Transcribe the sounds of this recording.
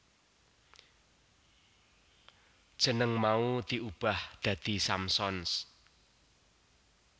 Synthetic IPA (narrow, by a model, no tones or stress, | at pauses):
d̥ʒ̥ə̤nəŋmaut̪iub̥a̤hd̪̥ä̤d̪̥i̤samsɔns